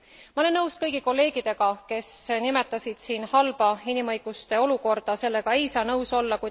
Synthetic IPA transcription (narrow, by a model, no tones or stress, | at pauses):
mɑole̞nːɤwskɤjɡ̥iko̞lːe̞ːɡ̥id̪̥e̞ɡ̥ɑke̞snime̞t̪ːˑɑsid̪̥siːnhɑlb̥ɑinimɤ̞jɡ̥ust̪e̞o̞luko̞rd̪̥ɑse̞lːe̞ɡ̥ɑe̞jsɑːnɤwso̞lːɑkuj